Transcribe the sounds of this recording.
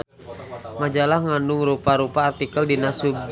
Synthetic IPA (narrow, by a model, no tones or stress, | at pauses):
mad͡ʒalahŋandʊŋɾupaɾupaːrt̪ikəldinasub̚d͡ʒ